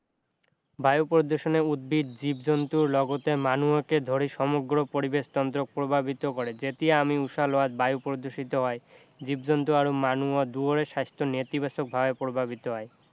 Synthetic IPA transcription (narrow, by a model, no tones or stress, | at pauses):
bajupɾod̪oʃoneud̪̚bʱid̪̚d͡ʑibd͡ʑont̪uɾlɔɡot̪emanuoked̪ʱoɾiʃɔmoɡɾopoɾibeʃt̪ɔnt̪ɾok̚pɾobʱabit̪okoɾed͡ʑet̪ieamiuʃaloat̪bajopɾod̪oʃit̪oɦɔe | d͡ʑibd͡ʑont̪uaɾomanuod̪uoɾeʃast̪ʰonet̪ibaʃok̚bʱabepɾobʱabit̪oɦɔe